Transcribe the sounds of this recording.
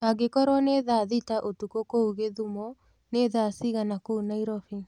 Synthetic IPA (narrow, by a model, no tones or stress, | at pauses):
aɡekɔɾwɔneðaðitaʔotukokouɣeðumɔ | neðasiɣanakounaiɾɔfi